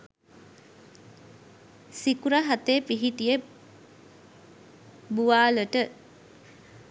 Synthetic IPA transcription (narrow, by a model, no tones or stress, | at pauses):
sikuɾaɦat̪epiɦiʈijə | buʋaːləʈə